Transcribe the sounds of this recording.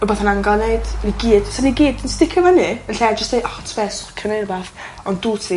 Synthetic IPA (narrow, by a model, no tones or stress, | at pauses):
əbaθanaŋɡaneɨd̥niɡiːd̥saniɡiːdinstɪkʰɔvaniənɬɛːd͡ʒəstdejʔɔtʰbɛskʰənerbaθ | ɔnduːtʰi